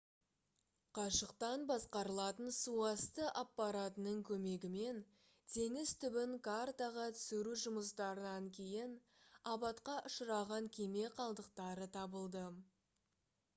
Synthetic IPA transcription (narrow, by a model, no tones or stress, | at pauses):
qʰɑʃəqt̪ɑnbɑsqɑɾəlˠɑt̪ənsuɑst̪əʔapːɑɾat̪ənəɴkʲʰɵme̞ɡʲɪme̞n | t̪ʰe̞ŋɪz̥t̪ʰʏbɪŋkart̪aʁɑt̪ʰʏ̥sɪɾuʒʊməst̪ɑɾənɑŋkʲʰe̞jɪn | ɑbɑt̪qɑʔʊʃəɾɑʁɑŋkʲʰe̞me̞qʰɑlˠd̪əqt̪ɑɾət̪ʰɑbəlˠd̪ə